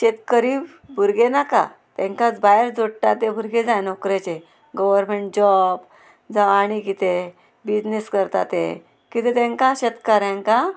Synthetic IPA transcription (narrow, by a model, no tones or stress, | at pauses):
ɕet̪kəɾiːb | bʱuɾɡenaka̰ | t̪ɛ̃ŋkat͡sbajəɾd͡zoɽt̪at̪ebʱuɾɡed͡zajnokɾet͡ɕe | ɡɔʋəɾmeɳʈ̚d͡ʑɔb | d͡zaaɽ̃ikit̪e | bid͡ʑneskəɾt̪at̪ḛ | kit̪et̪ɛ̃ŋkaɕet̪kaɾjãŋka